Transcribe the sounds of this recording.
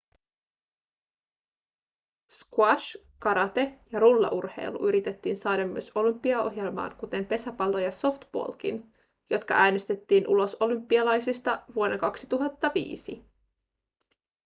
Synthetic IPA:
skuɑʃ | kɑɾɑt̪e̞jɑɾulːɑ̰ʔurhe̞̰jlṵʔyɾit̪e̞t̪ːiːnsɑːɾɑmːy̰øso̞lympːiɑo̞̰ɦje̞lmɑ̰ːnkut̪e̞mpe̞sæpɑlːo̞jɑso̞ft̪b̥o̰lk̟ḭn | jo̞t̪kɑ̰ʔæːnest̪e̞t̪ːiːnʔulo̞so̞lympːiɑlɑjsist̪ɑʋuo̞deŋkɑksit̪uɦɑt̪ːɑʋḭːsḭ

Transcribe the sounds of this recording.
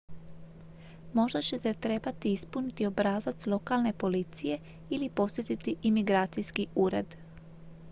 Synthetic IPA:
mo̞ʒd̪at͡ɕe̞t̪e̞t̪ɾe̞bat̪iispunit̪iobɾaːzat̪slˠo̞kalne̞po̞lit̪sije̞ | ilipo̞st̪jet̪it̪iʔimiɡɾaːt̪sijskiuːɾe̞̰d̪

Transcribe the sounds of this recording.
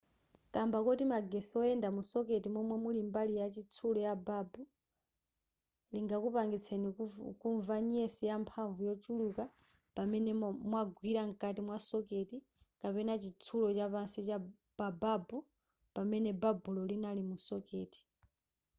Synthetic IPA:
kambakɔtimaɡɛsɔɛndamusɔketimwɔmwɛmulimbalijat͡ʃit͡sʰulɔjababu | liŋɡakupaŋɡit͡sʰenikuɱvaɲɛsijampʰaɱvujɔt͡ʃuluka | pamɛnɛmwaɡwiɾaŋ̩kʼatimwasɔketi | kapɛnat͡ʃit͡sʰulɔt͡ʃapansit͡ʃa | bababu | pamɛnɛbabulɔlinalimusɔkeːti̥

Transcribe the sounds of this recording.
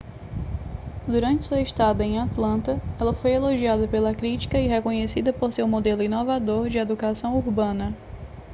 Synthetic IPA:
d̪uɾɐ̃nt͡ʃɪ̥suɐiʃt̪ad̪ɐẽj̃at̪lɐ̃nt̪ɐɛlɐfojeloʒiad̪ɐpelɐkɾit͡ʃi̥kɐiɦekõɲesid̪ɐpoɾsewmod̪elʊĩnovad̪oɾd͡ʒɪed̪ukasɐ̃w̃uɾbɐ̃nɐ

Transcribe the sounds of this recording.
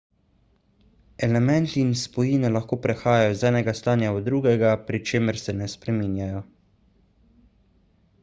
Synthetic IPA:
ɛlɛmɛnt̪iːnspɔjiːnɛlaxkoːpɾɛxaːjajɔizɛːnɛɡast̪aːnjaɔd̪ɾuːɡɛɡapɾit͡ʃeːməɾsɛnɛspɾɛmiːnjajɔ

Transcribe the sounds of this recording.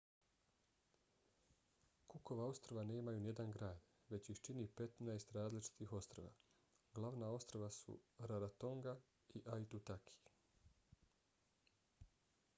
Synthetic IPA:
kuko̞ʋao̞st̪ɾoʋane̞ːmajunije̞d̪anɡɾaːd̪ | ʋe̞t͡ɕixt͡ʃinipe̞t̪najst̪ɾaːzlit͡ʃi̥t̪ixo̞st̪ɾoʋa̰ | ɡlˠaʋnao̞st̪ɾoʋasṵɾaɾat̪o̞ŋɡa | iʔajt̪ut̪akʰi̥

